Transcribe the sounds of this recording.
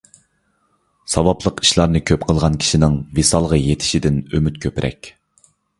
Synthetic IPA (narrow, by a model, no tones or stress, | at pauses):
sɑwɑplˠəqi̥ʃlˠɑɾnɨkʲʰøpqʰəlˠʁɑnkʲʰi̥ʃinɪŋvesɑlˠʁɑjet̪ʰɪ̥ʃid̪ɪnømyt̪̚kʲʰøpɾʔɛ̰kʲ